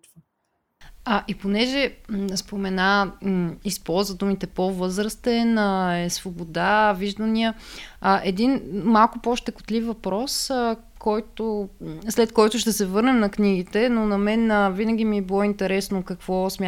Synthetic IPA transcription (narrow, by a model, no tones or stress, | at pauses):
əʔiponɛʒɛspomɛna | ispɔlˠzvəd̪umit̪ɛpovɤzɾəst̪ɛnəɛsvobod̪aviʒd̪əniəəʔɛd̪inmalˠkʊpoʃt̪ɛkʊ̥t̪lifvɐpɾɔsə | kʰɔjt̪oslɛt̪kɔjt̪ʊʃt̪ɛsɛvɤɾnɛmnɐkniɡ̟it̪ɛnonɐmɛnəvinəɡ̟imiɛbilˠɔint̪ɛɾɛsnokɐkv̥ɔsmʲa